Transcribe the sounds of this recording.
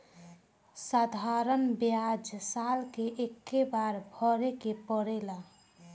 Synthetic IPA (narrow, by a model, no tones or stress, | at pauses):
sad̪ʱaɾənbjad͡ʒsalkeʔekːebaɾbʱəɾekepəɽela